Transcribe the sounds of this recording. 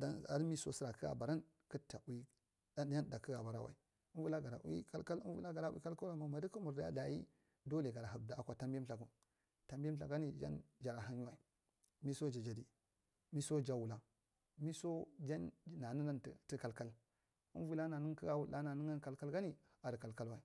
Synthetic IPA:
da˦na̰˨ɾmi˦so̰˦si˦ɾa˨kə˦ɡa̰˨ba˨ɾa˦n | kə˦tːa˨u˨˦i˦ | da˦n˦ja˦n˦da˨kə˦ɡa˨ba˨ɾa˦˨wa̰˨i˨ | u˦nvu˦a˦ɡa˨ɾa˨ʔwḭ˦ka˦lka˦lvṵ˦a˦ɡa˨ɾa˦u˦ḭ˦ka˦lka˦ɾa˨ma˨ma˨də˦kə˦mu˨ɾda˦ja̰˦da˨jḭ˦ | do˦le˨ɡa˨ɾa˨a˨bda˨a˨kʷa˨ta˦mbɬa˨ku˨ | ta˨mbm˦ɬa˨ɡa˦ni˨d͡ʒa̰˦nd͡ʒa˨ɾa˨ɦa˦nju˦wa˨i˨ | mi˦so˦d͡ʒa˨d͡ʒa˨di˨ | mi˦so˦d͡ʒa˦wu˨la˨ | mi˦so˦d͡ʒa˦n˦na˨nə˦na˦n̰˨tə˦ka˨lka˦l | ə˦vu˦la˦na˨nə˦ŋkə˦ɡa˨wu˨˦a˦na˨nə˦ŋa˦nka˨lka˦lɡa˦ni˦ | a˨də˨ka˨lka˦lwa˨i˨

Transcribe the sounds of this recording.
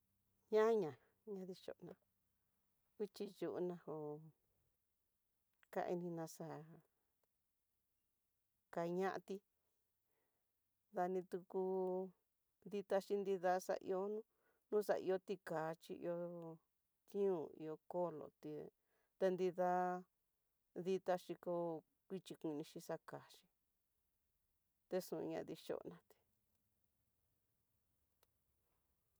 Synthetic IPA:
ɲã˦ɲã˨ | ɲã˧ði˧ʃo̰˨˧nã˧ | i˦t͡ʃi˧ju˧ʔu˧nã˧ho˧ | ka̰˧˦ʔḭ˧nĩ˧nã˧sa˧˨ | ka˧ɲã˦ʔa˧t̪i˧ | ða˧nĩ˧t̪u˧ku˧ | nd̪i˧t̪a˧ʃi˧nd̪i˧ða˧sa̰˧ʔḭ˧o˧nũ˦ | nũ˦sa̰˧ḭ˧o˧t̪i˧kaː˨˦t͡ʃi˧ḭ˧o˧ | t̪ĩ˦ũ˧ḭ˧o˧ko˦˨lo̰˨t̪i˧ | t̪e˧nd̪i˧ða˧ | ði˧t̪a˧ʃi˧ko˧ | i˧t͡ʃi˧kʷĩ˧nĩ˧ʃi˧sa˧ka˨ʃĩ̥˧ | t̪e˧sũ˧˨˧ɲã̰˧ði˧ʃo̰˧ʔnã˧t̪i̥˧

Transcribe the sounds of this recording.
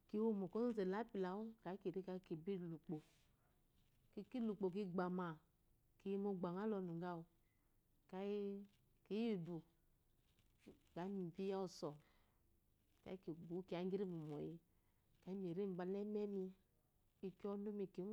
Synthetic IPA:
ki˨˦wo˦mo˨ko˦n˦ze˨la˨˦pi˨la˨˦wo˦ka˨˦i˦ki˨ɾi˦ka˨˦ki˨bi˦˨lu˨k͡po˨ | ki˦ki˦lu˨k͡po˨ki˦ɡ͡ba˨ma˨ | ki˨˦ji˦mo˦ɡ͡ba˨ŋa˦lɔ˨˧nu˨ɡa˦o˨ | ka˨˦ji˦ | ki˨˦ji˦˨du˨ | ɡa˨˦mi˨bi˦ja˦o˦˨sɔ˨ | ka̰˨˦i˦ki˨ɡu˨˦ki˨a˨˦ɡi˦ɾi˦mu˨mɔ˨ji˦ | ka˨˦i˦m˨i˨ɾi˦m˨ba˨˧nɛ˦mɛ˦mi˧ | i˧kɔ˦nu˦mi˨ki˨˦

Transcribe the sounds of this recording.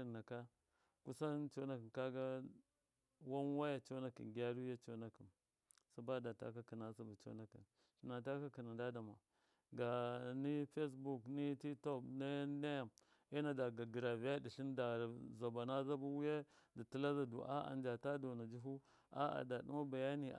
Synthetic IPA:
na˨ka˦ | ku˦sa˦n˦t͡ʃo˦na˦ki˨ka˦ɡa˦ | wa˦n˦wa˦ja˨t͡ʃo˦na˦kḭ˨nɡa˦ɾu˦ja˦t͡ʃo˦na˨ki˨n | sa˦ba˦da˨ta̰˦ka˦ki˨na˦sa˦ba˨t͡ʃo̰˦na˦kḭ˨n | ʃi˨na˨ta˦ka˦ki˨na˨nda˦da˨ma̰˨ | ɡa˨ni˦fe˦s̬bu˨kni˦ti˦to˦bne˦ne˦˨m | e˦na˨da˨ɡa˨ɡi˨ɾa˨vi˦ja˦di˨ɬi˦nda˨za˨ba˨na˦za˦bu˦wu˦je˦da˨ti˦la˦za˨dṵ˨ʔa̰˦a̰˨nd͡ʒa˨ta˦do˨na˨d͡ʒi˦ɦu˦ | a̰˦a̰˨da˨ɗṵ˦ma˦ba˨ja˦nḭ˨

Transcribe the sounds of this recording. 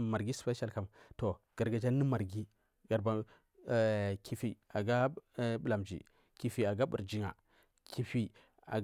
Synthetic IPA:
ma˨ɾɡi˦spe˦ʃa˦˨lka˦mto˨ɡ̥a˨ɾɡa˨d͡ʒa˦ni˦ma˨ɾɡi˦ | ɡ̥a˨ɾba˨ | ki˨fi˨a˨ɡa˦ɓu˦˨la˨md͡ʒḭ˨ | ki˨fi˨a˨ɡa˦bṵ˨ɾd͡ʒi˦ŋa̰˨ | kʰi˨fi˦ | a̰˨

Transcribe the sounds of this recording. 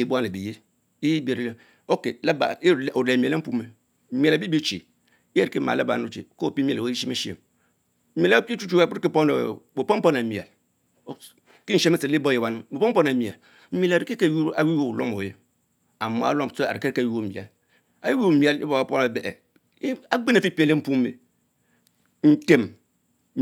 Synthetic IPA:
e˨bu˦a˦˨e˨bi˨je˦ | i˦be˨ɾi˦le˦ | o˦ke˨la˦ba̰˨˦˨o˨ɾe˨mi˨le˦m̩˦pu˦me˨˦ | mi˨a˨la˨bi˦bi˦t͡ʃḭ˨ | i˦e˦ɾi˨ke˦ma̰˨la˦ba̰˨nu˦t͡ʃḛ˨ko˦˨pi˦mi˨a˨o˦i˦ʃi˦me˦ʃi˦ḛ˨m̩˦ | i˨la˦i˦t͡ʃu˦t͡ʃu˦a˦˨k͡pu˦ɾki˦pɔ˦no̰˨bo˨pɔ˦m˦pɔ˦na˨mi˨a̰˨l | ki˦n̩˨ʃe˦me˦si˨˦li˦bo˦je˨wa˦n˦bo˨po˦m˦po˦na˨mi˨a̰˨l | m̩˦mi˦a˨la˨ɾi˨ke˦ju˦a˨wi˦wo˦˨lo˦mo˨je˦ | a˨mo̰˨˦a̰˦lo˦m˨so˦a̰˨ɾi˨ke˦ka˦˨ji˦o˦˨ḭ˨a̰˨l | a˨wi˦wo˦˨mi˨a˨lḭ˦bo˦˨a˨po˦na˨bɛ˨ʔɛ̰˨˦ | a˦ɡ͡be˦na˨fi˦pi˦e˨le˦m̩˦pu˦mː˦ḛ˨ | n̩˨te˨m

